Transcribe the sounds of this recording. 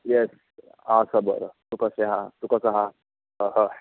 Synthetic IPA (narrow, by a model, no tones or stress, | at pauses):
jɛs | asəbə̰ɾət̪ukəseɦãt̪ukəsəɦa | ɦəɦə